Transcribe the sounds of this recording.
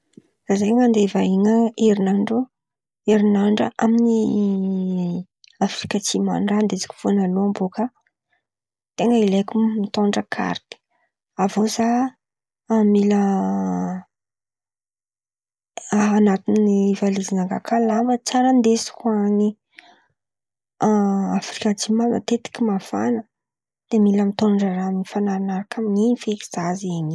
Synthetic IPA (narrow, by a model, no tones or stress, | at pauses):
zazajŋand̪evainəeɾinaɳɖ͡ʐu | eɾinaɳɖ͡ʐə̰ʔamini | afɾikat͡sima̰nrand̪esi̥kʲu̥fonaloambokə | t̪eŋɡəilekʲumit̪oɳɖ͡ʐəkʰa̰ɾt̪i̥ | avoza | amilə | nat̪inivalizinaŋɡa̰kʰalambət͡saɾənd̪esi̥kuaɲi | afɾikʲad͡ʒimana̰t̪et̪i̥kimafa̰nə | d̪̥emiləmit̪oɳɖ͡ʐaɾaminifanaɾanaɾakʰamiɲeɲifeeki̥z̥azeɲi